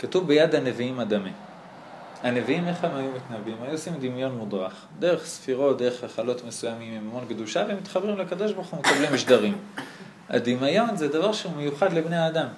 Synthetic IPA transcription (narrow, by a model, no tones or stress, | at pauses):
katuvbejad̪hane̞viimad̪ami | hane̞viimeχhemajumit̪nabimajuosimd̪imjo̞nmud̪ʁa̰χ | d̪e̞ʁeχsfiʁo̞t̚d̪e̞ʁeχaχalo̞t̪me̞sujamimimamo̞nɡd̪uʃavemit̪χabʁimleakad̪o̞ʃboχumekablimiʃd̪aʁim | a̰d̪imajo̞nzed̪avaʁʃeumejuχad̪lebne̞aːd̪am